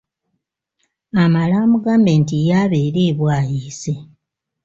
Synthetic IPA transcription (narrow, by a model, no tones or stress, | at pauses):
amalaːmuɡaːmbentijaβeːɾeːβwaːjiːse̞